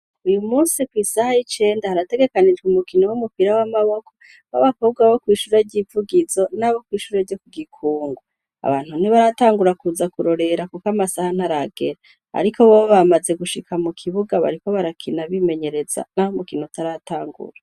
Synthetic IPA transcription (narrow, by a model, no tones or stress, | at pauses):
ujumuːsikwisahait͡ʃe̞ːndahaɾate̞ɡe̞kanid͡ʒɡumukinowumupiɾawamaβo̞ko̞ | βa̰βakob̚ɡwaβo̞kwiːʃuːɾeɾɟivuɡizo̞naβo̞kwiːʃuːɾeɾɟokuɡikʰuːŋɡu | a̰βa̰ːn̥huniβaɾataːŋɡuɾakuzakuɾo̞ɾe̞ɾakukamasahan̥haɾaɡe̞ɾa | a̰ɾikʰo̞βooβamaze̞ɡuʃikʰamukʰiβuɡaβa̰ɾiko̞βaɾakʰinaβime̞ɲe̞ɾe̞z̥a̰nahomukinotaɾataːŋɡṵɾa